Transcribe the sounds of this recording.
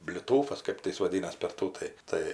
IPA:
bʲlʲɪˈtuːfɐs ˈkɜp tɐɪ ˈjɪs ʋɐˈdʲiːnɐs pʲɛr ˈtuː tɐɪ ˈtɐɪ

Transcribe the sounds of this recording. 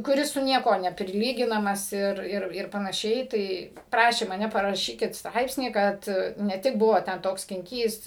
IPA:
kʊˈrʲɪs sʊ ˈnʲiɛkuɔ nʲɛpʲrʲɪˈlʲiːɡʲɪnɐmɐs ˈɪr ˈɪr ɪr pɐnɐˈʃʲɛɪ ˈtɐɪ ˈprɑːʃʲeː mɐˈnʲɛ pɐrɐˈʃʲiːkʲɪt ˈstrɐɪpʲsʲnʲiː ˈkɐt nʲɛ ˈtʲɪk ˈbʊʋoː tʲɛn ˈtoːks sʲkʲɪŋʲˈkʲiːs

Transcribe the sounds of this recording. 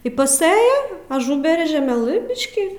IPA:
ɪ pɐˈsɘjɛ ɐˈʒʊbʲɛrʲɛ ʒʲɛˈmʲæːlˠɨ ˈbʲɪʃʲkʲɪ

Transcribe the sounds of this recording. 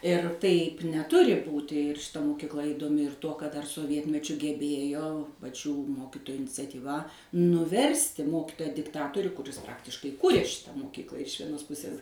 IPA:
ɪr ˈtɐɪp nʲɛˈtʊrʲɪ ˈbuːtʲɪ ɪr ʃʲɪˈtɐ moːkʲɪkˈlˠɐ iːdoːˈmʲɪ ɪr ˈtuɔ kɐt ˈdɐr soːˈʋʲiɛtʲmʲɛt͡ʃʲʊ ɡʲɛˈbʲeːjoː pɐˈt͡ʃʲuː ˈmoːkʲɪtoːjʊ ɪnʲɪt͡sʲɛtʲiːˈʋɐ nʊˈʋʲɛrʲsʲtʲɪ ˈmoːkʲɪtoːjɛ dʲɪkˈtɑːtoːrʲʊ kʊˈrʲɪs ˈprɑːktʲɪʃkɐɪ ˈkʊrʲeː ˈʃʲɪtɐ moːkʲiːklˠɐ ɪʃ ʋʲiɛˈnoːs ˈpʊsʲeːs

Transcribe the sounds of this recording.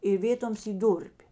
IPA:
ɪ ˈʋʲeːtoːms ˈiː ˈduːrʲpʲ

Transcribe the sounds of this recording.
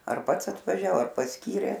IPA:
ɐr ˈpɐts ɐtʋɐˈʒʲɛoː ɐr pɐsʲˈkʲiːrʲeː

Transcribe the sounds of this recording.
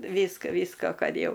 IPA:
ˈʋʲiːskɐ ˈʋʲiːskoː ˈkɐt ˈjɛʊ

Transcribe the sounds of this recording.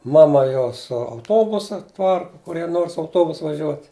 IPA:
ˈmɑːmɐ ˈjoː sʊ ɐʊˈtoːbʊsɐ ˈpɐrkʊ kʊˈrʲiɛ ˈnoːr sʊ ɐʊˈtoːbʊsʊ ʋɐˈʒʲuɔtʲ

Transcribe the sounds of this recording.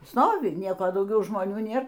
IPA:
ˈstoːʋʲɪ ˈnʲiɛkoː dɐʊˈɡʲɛʊ ʒmoːˈnʲuː ˈnʲeːr

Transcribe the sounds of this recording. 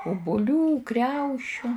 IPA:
ʊbʊˈlʲuː ˈkrʲɛʊʃʲʊ

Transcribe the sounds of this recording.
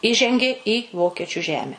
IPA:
ˈiːʒʲɛŋʲɡʲeː ɪ ˈʋoːkʲiɛt͡ʃʲʊ ˈʒʲæːmʲɛ

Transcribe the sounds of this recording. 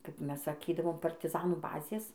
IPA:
kɐp ˈmʲɛs sɐˈkʲiːdɐʋoːm pɐrʲtʲɪˈzɑːnuː ˈbɑːzʲeːs

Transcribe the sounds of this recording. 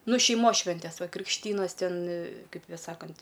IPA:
ˈnʊ ʃʲɛɪˈmoːs ˈʃʲʋʲɛnʲtʲɛs ˈʋɐ krʲɪkʃʲˈtʲiːnɐs ˈtʲɛn ˈkɐɪpʲ ˈsɑːkɐnʲtʲ

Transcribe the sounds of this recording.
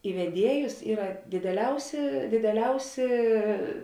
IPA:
ɪ ʋʲɛˈdʲiɛjʊs ˈiːrɐ dʲɪdʲɛˈlʲɛʊsʲɪ dʲɪdʲɛˈlʲɛʊsʲɪ

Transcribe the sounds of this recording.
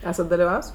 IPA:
ˈæːsɐt dɐlʲɪˈʋɐws

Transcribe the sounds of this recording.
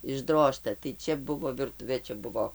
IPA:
ɪʒˈdroːʃtɐ tɐɪ ˈt͡ʃʲɛ ˈbʊʋoː ʋʲɪrˈtʊʋʲeː ˈt͡ʃʲɛ ˈbʊʋoː

